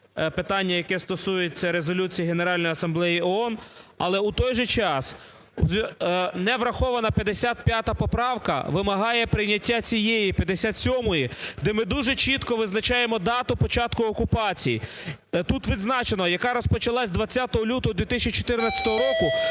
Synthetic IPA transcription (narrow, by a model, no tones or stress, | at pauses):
pet̪ɑnʲːɐjɐkɛst̪ɔsujet͡sʲːɐɾezɔlʲut͡sʲijiɦeneɾɑlʲnɔjɐsɐmblˠɛjiɔɔnɐ̰lˠɛut̪ɔjʒɛt͡ʃɑsʲ | nɛʋɾɐxɔʋɐnɐpʲjɐd̪esʲat̪̚pʲjat̪ɐpɔpɾɑwkɐ̰ʋɪmɐɦɑjɛpɾɪjnʲɐtʲːat͡sʲijejipʲjɐd̪esʲat̪sʲɔmɔjid̪ɛmɪd̪uʒɛt͡ʃit̪kɔʋɪznɐt͡ʃɑjemɔd̪ɑt̪ʊpɔt͡ʃɑt̪kʊɔkʊpɑt͡sʲiji | t̪ut̪ʋʲid̪znɑt͡ʃenɔjɐkɑɾɔspɔt͡ʃɐlˠɑsʲd̪ʋɐt͡sʲːat̪ɔɦɔlʲut̪ɔɦɔd̪ʋʲit̪ɪsʲt͡ʃit͡ʃɔ̥t̪ɪrnɐt͡sʲɐ̥t̪ɔɦɔɾɔkʊ